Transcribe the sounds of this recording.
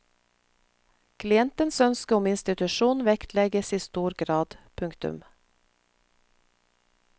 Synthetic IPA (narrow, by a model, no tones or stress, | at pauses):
kʰlɪɛnt̪ənsœnskəʊmɪnst̪ɪt̪ʉʃuːnʋɛkt̪ʰlɛɡəsiːst̪uːɾɡɾɑːd̪̥pʰʉŋkt̪ʉ̰m